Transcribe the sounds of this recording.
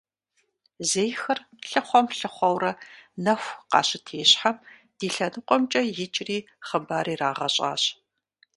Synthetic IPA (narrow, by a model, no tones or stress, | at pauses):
zejxɐr | ɬɨχʷɔmɬɨχʷɔwɾɐnɐxʷqɑ̰ːɕɪtʰeːɕħam | d̥iːɬɐnɨqʷʼɔmt͡ʃʼɐjɪt͡ʃʼriː | χəbaːɾiːraːʁɐɕʼa̰ːɕ